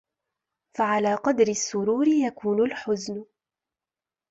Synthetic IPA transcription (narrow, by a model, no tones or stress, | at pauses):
faʕalaːqɑd̪ɾɪsːʊɾuːɾɪjakuːnʊlħʊznʊ